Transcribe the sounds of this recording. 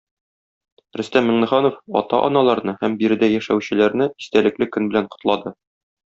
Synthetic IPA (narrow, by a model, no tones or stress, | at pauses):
ɾɵ̆st̪æmːɘ̆ɴnɘ̆ʁɑnofɒ̰t̪ɑʔɒ̰nɑlˠɑɾnɤhæmbiɾɘ̆d̪æjæʃæ̰wɕɘ̆læɾnɘist̪ælɘ̆klɘkɵnbɘ̆læɴqŏ̥t̪lˠɑd̪ɤ